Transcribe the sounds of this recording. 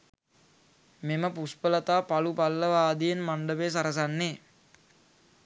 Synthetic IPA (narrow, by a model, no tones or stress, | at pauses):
meməpuspələt̪aːpalupalːəʋaːd̪ijenmaɳɖəʋeːs̬aɾəs̬anːe